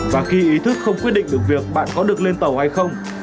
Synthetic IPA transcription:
vaː˨˩xi˧ʔi˨˦t̪ʰɨ˦˥k̚xə˧wŋ͡mkwt̚ɗḭ˧˨ŋ̟ɗɨ˨˩ək̚vi˨˩ək̚ɓa̰ː˧˨nkɔ˨˦ɗɨ˨˩ək̚le˧nt̪ə˨˩wha˧jxə˧wŋ͡m

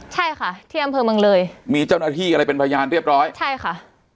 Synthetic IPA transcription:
t͡ɕʰa˥˩jkʰa˥˩t̪ʰiː˥˩ʔa˧mpʰɤː˧mɯ˧ŋlɤː˧jmiː˧t͡ɕa˥˩wnaː˥˩t̪ʰiː˥˩ʔa˧ɾa˧jpe˧npʰaː˧jaː˧nɾi˥˩əp̚ɾɔː˦˥jt͡ɕʰa˥˩jkʰa˥˩ʔ

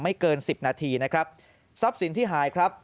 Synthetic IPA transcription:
ma˥˩jkɤː˧nsi˨˩p̚naː˧t̪ʰiː˧na˦˥kʰɾa˦˥p̚ | sɔ˦˥p̚si˩˦nt̪ʰiː˥˩ɦaː˩˦jkʰɾa˦˥p̚

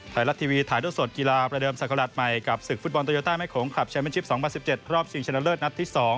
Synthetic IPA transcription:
t̪ʰaː˧˩la˦˥t̪ʰiː˧wiː˧t̪ʰaː˩˦duː˥˩jso˨˩t̪̚ki˧laː˧pɾa˧dɤː˧msa˨˩kːa˧ɾa˨˩t̪̚ma˨˩jka˨˩p̚sɯ˨˩k̚fu˦˥bɔ˧nt̪a˧oː˧˩t̪aː˥˩ma˥˩jkʰoː˩˦ŋkʰa˨˩p̚t͡ɕʰa˧nme˦˥˩t͡ɕʰi˦˥p̚sɔː˩˦ŋpʰa˧nsi˨˩p̚t͡ɕe˨˩t̪̚ɾɔː˥˩p̚si˧ŋt͡ɕʰna˧˥ləː˥˩t̪̚na˦˥t̪̚ʰːiː˥˩sɔː˩˦ŋ

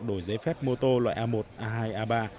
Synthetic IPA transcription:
ɗo˧˩jze˨˦fɛ˦˥p̚mo˧t̪o˧lwa̰ː˧˨jʔaː˧mo˨˩t̚ʔaː˧ɦaː˧jʔaː˧ɓaː˧

